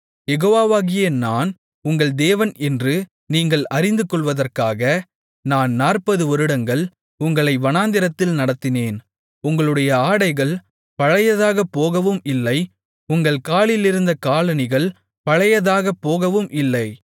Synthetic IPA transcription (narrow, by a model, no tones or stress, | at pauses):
jɛɣoːʋaːʋaːɣɪjɐnaːn | ʊŋɡɐɭd̪eːʋɐnɛndrɯ | niːŋɡɐɭɐɾɪnd̪ɯkɔɭʋɐðɐrkaːɣɐ | naːnːaːrpɐðɯɔɾɯɽɐŋɡɐɭ | ʊŋɡɐɭɐɪʋɐnaːnd̪ɪɾɐt̪ːɪlnɐɽɐt̪ːɪneːn | ʊŋɡɐɭɯɽɐjɐaːɽɐɪɣɐɭ | pɐɻɐjɐðaːɣɐpːoːɣɐʋɯmɪlːɐɪ | ʊŋɡɐɭkaːɭɪlɪɾɯnd̪ɐkaːlɐnɪɣɐɭ | pɐɻɐjɐðaːɣɐpːoːɣɐʋɯmʔɪlːɐɪ